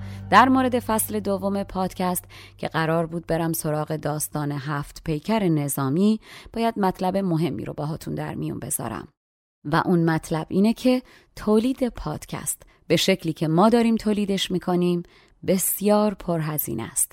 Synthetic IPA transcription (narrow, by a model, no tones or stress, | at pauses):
d̪̥æɾmoɾe̞d̪e̞fæsle̞d̪ovːo̞me̞pʰɒːd̪̥cʰæst̪cʰe̞ɢæɾɒːɾbuːd̪̚be̞ɾæmso̞ɾɒːɣe̞d̪ɒːst̪ɒːne̞ɦæft̪pʰe̞jcʰæɾene̞zɒːmiːb̥ɒːjæd̪̚mæt̪ʰlæbe̞mo̞ɦe̞mːḭːɾo̰bɒːɦɒːt̪ʰund̪æ̰ɾmḭjṵnbe̞̰z̥ɒ̰ːɾæ̰m | væ̰ʔunmæt̪ʰlæb̥ʔiːnecʰe̞ | t̪ʰoːliːd̪e̞pʰɒːd̪̥cʰæ̰st̪ | b̥e̞ʃe̞cʰliːcʰe̞mɒːd̪ɒːɾiːmt̪ʰoːliːd̪e̞ʃmiːkʰo̞niːm | be̞sjɒːɾpʰo̞ɾɦæzḭːnʔæ̰st̪